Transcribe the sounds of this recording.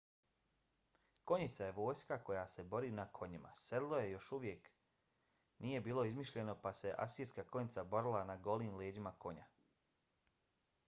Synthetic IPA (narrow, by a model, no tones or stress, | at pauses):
ko̞ɲit̪saje̞ʋo̞ːjskako̞jase̞bo̞ɾiːnakʰo̞ɲima̰sed̪lˠoje̞jo̞ʃuʋje̞k | niːje̞biːlˠo̞izmiːʃʎe̞no̞pase̞ʔa̰siskako̞ɲit̪sabo̞ɾilˠanaɡo̞liːmleːd͡ʑimako̞ɲa̰